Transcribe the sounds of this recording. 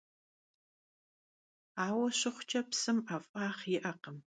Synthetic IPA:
aːwɐʃɪχʷt͡ʃʰɐpsɨmafʼaːχɪʔɐqəm

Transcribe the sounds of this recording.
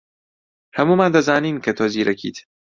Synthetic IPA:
hɐmuːmand̪ɐzaːniːnkʰet̪ʰɔziːɾɐkʰḭːt̪

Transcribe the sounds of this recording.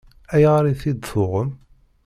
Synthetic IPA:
æjʁɾiθid̪θʊʁəm

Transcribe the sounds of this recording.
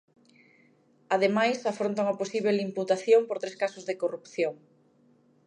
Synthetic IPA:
aðemajsafɾont̪aŋɐposiβelimput̪aθjompoɾt̪ɾeskasʊzðekorupθjoŋ

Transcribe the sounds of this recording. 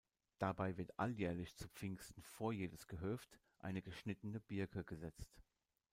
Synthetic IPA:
d̥abaɪvɪɐtʔa̰ljɛːɐlɪçt͡sup͡fɪŋstn̩foːɐjeːdəsɡ̥əɦœft | ʔa̰ɪnəɡəʃnɪtənəbɪɐkʰəɡəzɛt͡st

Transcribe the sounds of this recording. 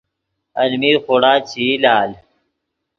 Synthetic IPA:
ɐlmiːɾxoːɽaːt͡ɕʰiːlaːl

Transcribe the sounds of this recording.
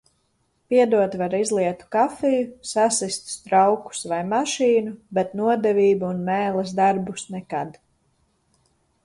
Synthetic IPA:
piɛd̪uɔt̪vaɾizlˠiɛt̪u̥kafijusasist̪st̪ɾawku̥svajmaʃiːnubɛt̪nuɔd̪ɛviːbuːnmɛːlˠɛs̬d̪aɾbusnɛkad̪

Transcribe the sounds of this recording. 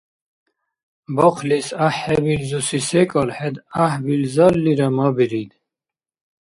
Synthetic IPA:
bɔqʰlisaħːɛbilzusisɛkʼɔlħɛd̪ahbilzɔlːiɾamabiɾid̪

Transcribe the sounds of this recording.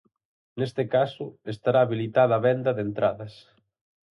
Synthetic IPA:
nest̪ɪkasʊest̪aɾaːβilit̪aðɐaːβɛnd̪ɐðent̪ɾaðɐs

